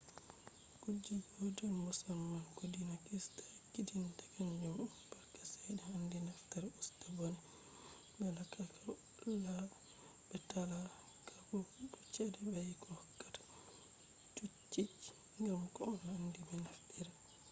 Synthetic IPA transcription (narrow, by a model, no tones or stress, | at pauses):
kud͡ʒːid͡ʒodɔnmusalmankudinakistḁkidintakaɲd͡ʒumunbaɾkḁsɛjdɛhandinaftaɾustabɔnɛ | bɛlakːakʰa | la | bɛtala | kʰakɔdut͡ʃɛdɛbajkɔhɔkːḁtḁ | t͡ʃut͡ʃːi | ŋɡamkɔɔnhandibɛnafdiɾa